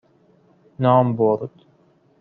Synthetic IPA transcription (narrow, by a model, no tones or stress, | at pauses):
nɑːmbɔɾd̪̥